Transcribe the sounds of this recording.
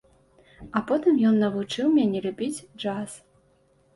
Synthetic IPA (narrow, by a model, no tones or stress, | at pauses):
ɐpɔt̪ɨmjɔnːɐvut͡ʂɨwmʲanʲɛlʲubʲid͡zʲd͡ʐas